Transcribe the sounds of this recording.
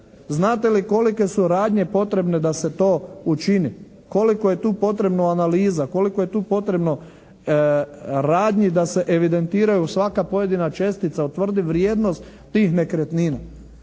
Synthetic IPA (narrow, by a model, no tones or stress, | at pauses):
znaːt̪e̞liko̞like̞suɾaːd̪ɲe̞po̞t̪ɾe̞bne̞d̪ase̞t̪o̞ːut͡ʃini | ko̞liko̞je̞t̪uːpo̞t̪ɾe̞bnoanaliːzako̞likoje̞t̪uːpo̞t̪ɾe̞bno̞ | ɾaːd̪ɲid̪ase̞ʔeʋid̪e̞nt̪iːɾajusʋakapo̞je̞d̪inat͡ʃe̞st̪it̪saut̪ːʋr̩d̪iʋɾjeːd̪no̞st̪ːiːxne̞kɾet̪niːna